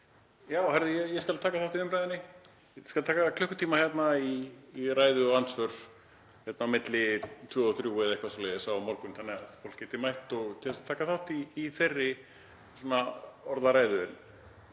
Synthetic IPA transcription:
jaːwhaɾðɪjɛjɛskalt̪ʰaːkaθawht̪iʏmpɾajðɪnːɪ | skalt̪ʰaːkakʰlœhkʏ̥t̪ʰiːmaçjɛt̪naiːraːjðʏɔansvœɾ̥ | hjɛt̪namɪt̪lɪt̪ʰvœːɔθɾjuːvɪðɛhkvasɔlɛðɪsaːwamɔɾkʏnθanːɪɣafowl̥kcɛːt̪ɪmajht̪ɔɣt̪ʰɪɛsat̪ʰaːkaθawht̪iːθerːɪ | sɔːnaɔɾðaɾaːjðʏɪn

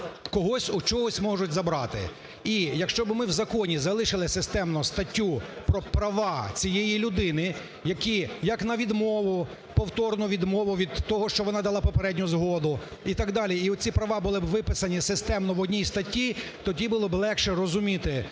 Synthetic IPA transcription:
kɔɦɔsʲʊt͡ʃɔɦɔsʲmɔʒʊtʲzɐbɾɑt̪ɪ̰ | ijɐkʃt͡ʃɔbɪmɪwzɐkɔnʲizɐlˠɪʃɪlˠɪsɪst̪ɛmnʊst̪ɐtʲːupɾɔpɾɐʋɑt͡sʲijejilʲʊd̪ɪnɪ | jɐkʲijɐknɐʋʲid̪mɔʋʊ | pɔwt̪ɔrnɔʋʲid̪mɔʋʊʋʲid̪t̪ːɔɦɔʃt͡ʃɔʋɔnɑd̪ɐlˠɑpɔpeɾɛdʲnʲʊzɦɔd̪ʊit̪ɑɡd̪ɑlʲiiɔt͡sʲipɾɐʋɑbʊlˠɪbʋɪpɪsɐnʲisɪst̪ɛmnɔʋɔdʲnʲijst̪ɐtʲːit̪ɔdʲibʊlˠɔblˠɛkʃɛrɔzʊmʲit̪ɪ

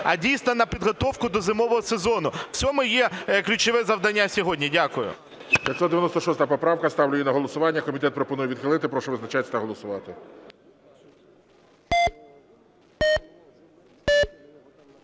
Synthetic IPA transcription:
ɐ̰dʲijsnɔnɐpʲid̪ɦɔt̪ɔwkʊd̪ɔzɪmɔʋɔɦɔsezɔnʊw̥t͡sʲɔmʊjɛklʲʊt͡ʃɔʋɛzɐwd̪ɐnʲːasʲɔɦɔdʲnʲidʲakʊjʊ̰ | d̪ʲjʲɐt̪ʲsɔt̪d̪eʋʲjnɔst̪ɔʃɔst̪ɐɐpɔpɾɑwkɐst̪ɑwlʲʊjinɐɦɔlˠɔsʊʋɑnʲːɐkɔmʲit̪ɛt̪̚pɾɔpɔnujɛʋʲid̪xɪlˠɪt̪ɪpɾɔʃɛʋɪznɐt͡ʃajʲɐt̪ɐɦɔlˠɔsʊʋɑt̪ɪ

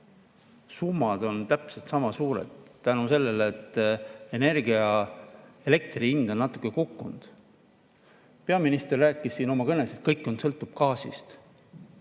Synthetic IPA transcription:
sumːɑd̪̥o̞nt̪æpselt̪sɑmɑsuːɾḛd̪̥t̪ænuse̞lːe̞leːt̪ːˑene̞rɡiɑ | e̞le̞k̚t̪riind̪ɑnːɑt̪ːˑu̥kːˑe̞kukːund̪̥ | pe̞ɑminist̪erːæːkːˑisːiːno̞mɑkɤne̞set̪̚kɤjkːˑo̞nsɤ̞lt̪ːˑub̥̚kɑːsḭst̪

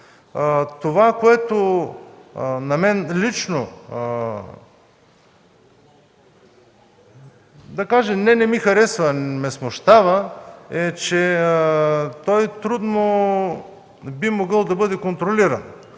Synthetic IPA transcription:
t̪ovakoɛt̪o | nɐmɛnlit͡ʃno | d̪ɐkaʒɛmnɛnɛmixɐɾɛsvəmɛsmoʃt̪avəɛt͡ʃɛ | t̪ɔjt̪ɾud̪no | bimoɡɤlˠd̪ɐbɤd̪ɛkont̪ɾoliɾɐ̰n

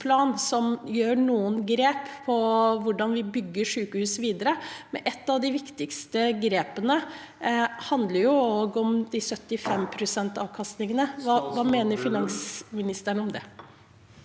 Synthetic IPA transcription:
pʰlɑːnsɔmjøːɳuːənɡɾeːpːʰɔʋʊɖɑnʋɪbʏɡːəʂʉːkəhʉːsʋiːd̪əɾəmɛnʔɛt̪ːɑʋd̪ɪʋɪkt̪ɪkst̪əɡɾeːpənə | hɑnd̪ləɾjʊoːɡɔmd̪ɪsœt̪ːɪfɛmpʰɾʊsɛnt̪ɑːʋkʰɑst̪nɪŋənəʋɑːʋɑːmeːnəɾfɪnɑnsmɪnɪst̪əɳəɔmd̪ɛ

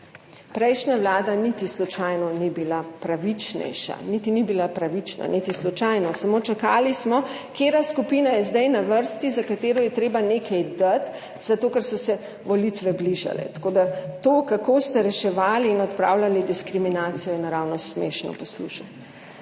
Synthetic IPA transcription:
pɾɛjʃnaʋlaːd̪anit̪islɔt͡ʃajnɔnibilapɾaʋit͡ʃnɛ̰jʃa̰nit̪inibilapɾaʋit͡ʃna̰nit̪islɔt͡ʃajnɔsamot͡ʃakaːlismɔ | keːɾaskupiːnajɛzd̪ajnaʋəɾst̪izakat̪eːɾɔjɛt̪ɾeːbaneːkʰɛjd̪at̪ | z̥at̪oːkɛɾsɔsɛ | ʋɔlit̪ʋɛbliʒa̰lɛ̰t̪ḁkod̪at̪oːkakoːst̪ɛɾɛʃɛʋaːliːnɔt̪pɾa̰wlʲalid̪iskɾiminaːt̪sijɔjɛnaɾawnɔsmeʃnɔ̰pɔslṵːʃat̪

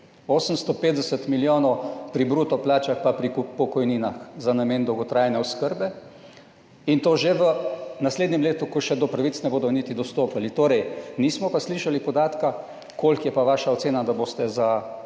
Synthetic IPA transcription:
oːsəmst̪ɔpeːt̪̚d̪ɛsət̪miljoːnɔwpɾibɾuːt̪ɔplaːt͡ʃaxpapɾipɔkɔjniːnaxzanameːnd̪ɔwɡɔt̪ɾaːjnɛɔskəɾbɛ | int̪oːʒeʋənasleːd̪nɛmleːt̪ukɔʃɛd̪ɔpɾaʋit̪snɛboːd̪ɔnit̪id̪ɔst̪oːpalit̪oːɾɛjniːsmɔpasliːʃalipɔd̪aːt̪ka | koːlkjɛpaʋaːʃaɔt̪seːnad̪aboːst̪ɛza

